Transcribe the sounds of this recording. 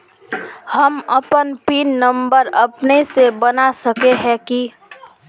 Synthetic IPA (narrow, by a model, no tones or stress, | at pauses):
həməpənpiːnːəmbəɾəpnesebənasəkeɦɛ̃ki